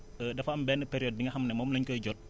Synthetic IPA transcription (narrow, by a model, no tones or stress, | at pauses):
ədɐfɐɐmbɛːnːəpeɾijɔd̚ːiŋɡɐɦɐmnɛmɔːmlɐɲkəɟɔt̚